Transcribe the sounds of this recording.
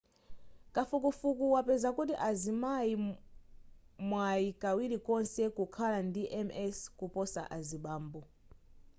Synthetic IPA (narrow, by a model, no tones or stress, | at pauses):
kafukufukuwapɛzakutiʔazimaji | mwajikawilikɔnsɛkukʰalandiʔɛmɛskupɔsa̰ʔaziɓaːmbɔ